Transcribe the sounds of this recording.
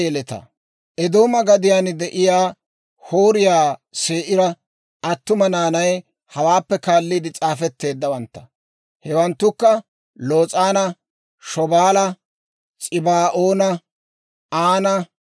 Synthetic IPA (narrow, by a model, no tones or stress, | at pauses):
jɛlɛt̪ɐ̰ | ʔɛd̪o̞ːmɐɡɐd̪ɪjaːnd̪ɛʔɪjaː | hoːɾɪjaːseːʔɪɾɐ | ɐt̪ːʊmɐnaːnɐj | hɐwaːpːɛkaːlːiːd̪ɪt͡sʼaːfɛt̪ːe̞ːd̪ːɐwɐnt̪ːɐ̥ | hɛwɐnt̪ːʊkːɐ | lo̞ːt͡sʼaːnɐ | ʃɔbaːlɐ | t͡sʼɪbaːʔoːnɐ | aːnɐ